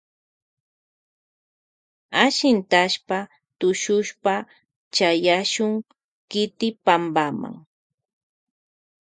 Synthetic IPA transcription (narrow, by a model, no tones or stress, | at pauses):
aʃɪnt̪aʃpa | t̪ʊʃʊʃpa | t͡ʃajaʃʊŋ | kɪt̪ɪpambama̰ŋ